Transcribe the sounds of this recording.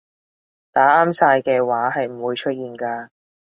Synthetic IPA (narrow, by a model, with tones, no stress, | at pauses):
t̪aː˨˥aː˥msaː˧jkɛː˧waː˨˥ɦɐ˨jm̩˨˩wuː˨˧jt͡ʃʰɵ˥t̚jiː˨nkaː˧